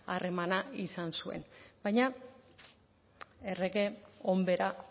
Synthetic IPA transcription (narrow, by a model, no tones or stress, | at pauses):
are̞manaisansue̞̰nbajɲa | ereɣe̞ombe̞ɾa